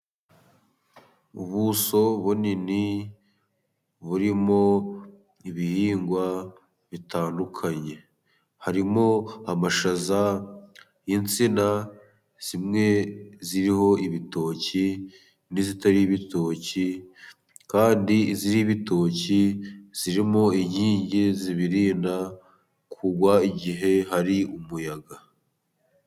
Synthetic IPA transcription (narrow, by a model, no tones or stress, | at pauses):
uβuso̞βunini | βuɾimo̞ | iβihiːŋɡwa | βitʰaːndukʰaɲe̞ | haɾimo̞amaʃaza | jint͡sina | z̥imŋe̞ziɾiho̞iβito̞ːci | nizitaɾiːβito̞ːci | kaːndiziɾiβito̞ciz̥iɾimo̞iɲhiːɲɟiziβiɾiːnda | kʰuɡwaiɟiɦe̞ɦaɾiumujaɡa